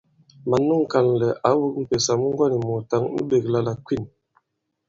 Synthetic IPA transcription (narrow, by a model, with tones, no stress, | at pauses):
ma˨nːu˦ŋ˨ka˨nlɛ˨ʔa˨˦wu˦k̚m̩˨pe˨sa˨mu˦ŋ˦ɡwa˦ni˨mo˨ta˦ŋnṵ˦be˨k̚la˦la˨kwi˦˨n